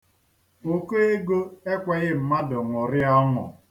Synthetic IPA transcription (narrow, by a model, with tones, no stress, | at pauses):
o˨ko˦e˦ɡo˦e˦kʷɛ˨ɣɪ˦m̩˨ma˦dʊ˨ŋʊ˨ɾɪ˦ɔ˦ŋʊ̰˨